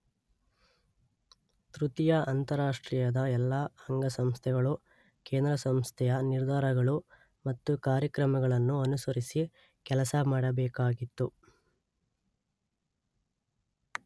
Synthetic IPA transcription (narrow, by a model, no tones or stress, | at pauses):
t̪ɾut̪ijɐʔɐnt̪ɐɾaːʂʈɾiːjɐd̪ɐɛlːaɐŋɡɐsɐmst̪ʰɛɡɐɭu | ke̞ːnd̪ɾɐsɐmst̪ʰɛjɐniɾd̪ʱaːɾɐɡɐɭu | mɐt̪ːukaːɾjɐkɾɐmɐɡɐɭɐnːuɐnusɐɾisi | kɛlɐsɐmaːɽɐbɛːkaːɡit̪ːu